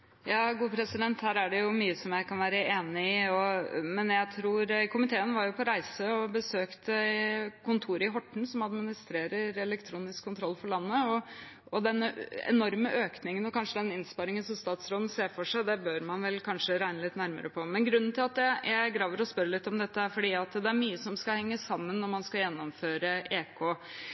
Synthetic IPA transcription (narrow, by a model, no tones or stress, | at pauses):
jɑːɡuːpʰɾɛsɪd̪ɛnt̪hæːɾæɖɛjʊmyːəsɔmjæɪkɑnʋæːɾəeːnɪɪɔmɛnjæɪt̪ʰɾuːɾkʰʊmɪt̪ʰeːənʋɑɾjʊpʰɔɾæɪsəɔbəsøːkt̪əkʰʊnt̪ʰuːɾəɪɦɔʈːɳ̩sɔmɑd̪mɪnɪst̪ɾeːɾəɾɛlɛkt̪ʰɾuːnɪskʰːʊnt̪ʰɾɔlːfɔɭɑnːəɔ | ɔd̪ɛnːəɛ̰nɔɾməʔøːknɪŋənɔkʰɑnʂəd̪ɛnɪnspɑɾɪŋənsɔmst̪ɑːt̪sɾɔmseːfɔʂæɪd̪ɛbøːɾmɑnʋɛlkʰɑnʂəɾæɪnəlɪt̪ːnæɾmə̰ɾəpʰɔmɛnɡɾʉnːn̩t̪ʰɪlɑt̪jæɪjæɪɡɾɑːʋəɾɔspœɾəlɪt̪ːɔmd̪ɛt̪ːəæɾfɔɖiːɑt̪d̪ɛæɾmyːəsɔmskɑhɛŋːəsɑmːənːɔɾmɑnskɑjɛnːɔmføːɾəʔeːkʰɔ